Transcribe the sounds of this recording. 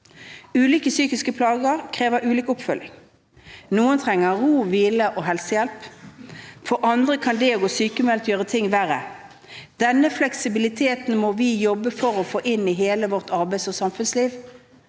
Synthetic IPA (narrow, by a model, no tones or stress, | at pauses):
ʉːliːkəsyːkɪskəpʰlɑːɡəʁkʰʁeːʋəɾʉːliːkʊpfœlɪ̰ŋ | nuːənt̪ʰʁɛŋːəʁuːʋiːləʔoːɦɛlsəjɛlp | fɔʁʔɑnd̪ʁəkʰɑnd̪ɛoɡoːsyːkəmɛlt̪jøːʁət̪ʰɪŋʋæʁə | d̪̥ɛnːəflɛksɪbɪlɪt̪ʰeːt̪n̩mɔʋɪjɔbːəfɔʁɔfoːʔɪniɦeːləʋɔʁt̪ɑʁbæɪsɔsɑmfʉnsliːʋ